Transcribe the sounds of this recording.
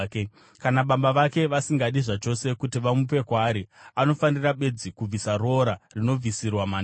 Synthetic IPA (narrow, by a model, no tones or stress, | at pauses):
ke | kanaɓambaʋake̞ʋasiŋɡaɗiʐat͡ʃo̞se̞kutiʋamup̬e̞kwaːɾiano̞faniraɓe̞d͡zikub͡visaro̞ɾarino̞b͡visirwamaːn